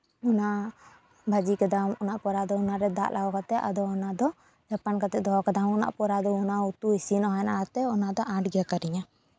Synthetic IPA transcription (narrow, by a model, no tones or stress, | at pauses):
ɔna | bʱad͡ʒikad̪amunaʔpɔɾad̪ɔunaɾɛd̪a̰ʔlawɔkat̪ɛʔa̰d̪ɔːnad̪ɔ | d͡ʒapankat̪ɛd̪ʱɔkad̪amɔna̰ʔpɔɾad̪ɔunaut̪uisinɔɦɛna̰kat̪ɛɔnad̪ɔʔãʈɡakaɾiɲa